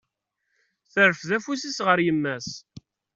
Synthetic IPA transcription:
θəɾəfðæfusisʁəɾjəmːæs

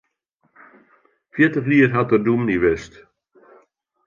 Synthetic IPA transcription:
fjɪtəχliərɦatərdumniʋɪst

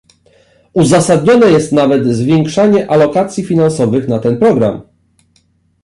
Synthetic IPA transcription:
uzasad̪̚ɲɔnɛjɛst̪navɛd̪zvʲjɛŋkʂaɲɛʔalɔkat̪sʲjifʲinãnsɔvɘxnat̪ɛnpɾɔɡɾa̰m

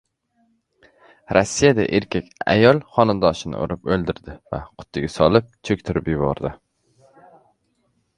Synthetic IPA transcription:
ɾɒsːijad̪a̰ʔeɾkʲekʲa̰jɒlˠχɒnad̪ɒʃɪnɪ̰ʔo̰ɾɪpɵlˠd̪ɪɾd̪ɪva̰qʰʊ̥t̪ʰːɪɡʲasɒlˠɪp̚t͡ʃʰɵk̚ʲt̪ʰɪɾɪpjʊbɒ̰ɾd̪ɪ

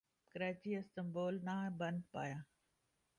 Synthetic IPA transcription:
kəɾaːt͡ɕiɐst̪əmboːlnaːbɐnd̪paːjãː

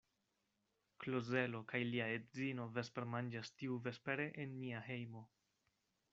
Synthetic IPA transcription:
kloze̞lo̞kajliaedzino̞vespeɾmand͡ʒastiuve̞speɾe̞ʔenːiahe̞jmo̞

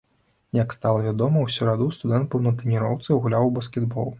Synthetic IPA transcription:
jakst̪alˠɐvʲad̪ɔmɐwsʲuɾad̪ust̪ud̪ɛnt̪̚pɐwnɐt̪ɾɛnʲiɾɔwt̪sɨɣulʲawbɐskʲɛd̪bɔ̰lˠ

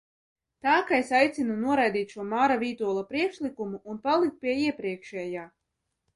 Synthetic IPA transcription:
t̪aːkaesajt̪sinunuɔɾajd̪iːt̪ʃuɔmaːɾaviːt̪uɔlˠapɾiɛkʃlikumuːnpalˠik̚t̪̚pʲiɛiɛpɾiɛkʃɛːjaː

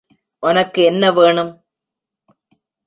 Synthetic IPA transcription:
ʔʊnɐkːɯɛnːɐʋeːɳɯm

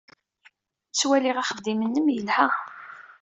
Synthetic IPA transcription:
t͡sːwæliʁaχəvd̪imənːəmjəlhæ

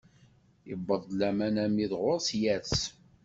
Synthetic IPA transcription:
ibːəðˤlæmænæmiðʁʊɾsjæs

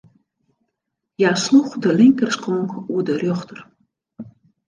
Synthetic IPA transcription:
jasluχdəliŋkərskɔŋkudərøχtʰər

